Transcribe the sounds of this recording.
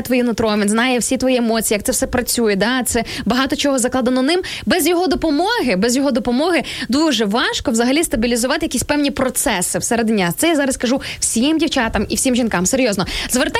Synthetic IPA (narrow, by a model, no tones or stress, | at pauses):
t̪ʋɔjinʊt̪ɾɔmʲʋʲinznɑjɛwsʲit̪ʋɔjiemɔt͡sʲiːjɐkt̪ɛwsɛpɾɐt͡sʲujɛd̪ɑt̪sɛbɐɦɑt̪ɔt͡ʃɔɦɔzɐklˠɑd̪ɐnɔnɪmbɛzʲjɔɦɔd̪ɔpɔmɔɦɪbɛzjɔɦɔd̪ɔpɔmɔɦɪd̪uʒɛʋɑʃkɔʋzɐɦɐlʲist̪ɐbʲilʲizʊʋɑt̪ɪjɐkʲisʲpɛwnʲipɾɔt̪sɛsɪwseɾed̪nʲːat̪sɛjazɑɾɐskɐʒuwsʲimdʲiwt͡ʃʲɑt̪ɐmḭwsʲimʒʲinkɑmseɾʲjɔznɔzʋert̪a